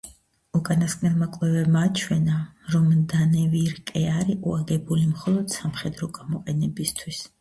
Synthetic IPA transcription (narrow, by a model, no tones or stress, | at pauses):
ukʼanaskʼnɛlˠmakʼlɛvɛbmat͡ʃʰwɛnaɾɔmd̪anɛviɾkʼɛaɾiʔuaɡɛbulimχɔlˠɔd̪̥samχɛd̪ɾɔɡamɔqʼɛnɛbist̪ʰwis